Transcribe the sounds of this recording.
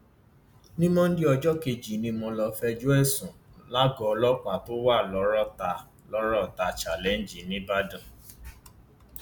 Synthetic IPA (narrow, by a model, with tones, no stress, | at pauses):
nĩ˦mɔ̃˦n̩˦di˦ɔ˧d͡ʒɔ˦ke˧d͡ʒi˨nĩ˧mɔ̃˧lɔ˧fɛ˧d͡ʒu˦ɛ˦˨sũ˨ | la˦ɡɔ˨˦˧lɔ˦k͡pa˨to˦wa˦˨lɔ˨˦ɾɔ˦ta˧ | lɔ˨˦ɾɔ˦˨ta˧t͡ʃa˨lɛ˨˦n̩˨d͡ʒi˨nĩ˦ba˦dã˦˨